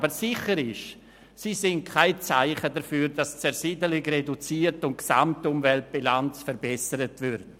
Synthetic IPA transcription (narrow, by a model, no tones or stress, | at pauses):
bəɾsɪχəɾɪʃ | sisɪnt̚kʰaɪt͡saɪχədəfyːɾdast͡sɛɾsidəlɪkredut͡siːəɾtʊn̚ksa̰mtʊmvɛlt̚b̥ilant͡sfəɾbɛsəɾətvʏɾt